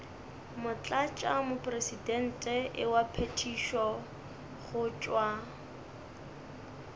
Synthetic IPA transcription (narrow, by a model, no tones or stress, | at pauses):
mʊt͡ɬʼat͡ʃʼamʊpʼresidɛn̩tʼɛʔɪwapʰetʰiʃɔ | χʊt͡ʃʼwa